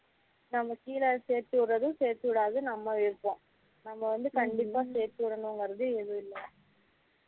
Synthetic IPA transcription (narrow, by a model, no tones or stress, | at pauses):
nɐmːɐkiːlɐseːɾt̪ɯʋɪɾɐðɯseːɾt̪ːɯʋɪɽaːðɯnɐmːɐɪɾpːõː | nɐmːɐʋɐnd̪ɯkɐɳɖɪpːaːseːɾt̪ɯʋɪɽɐnɯŋɡɐɾɐðɯɛðɯɪlːɐ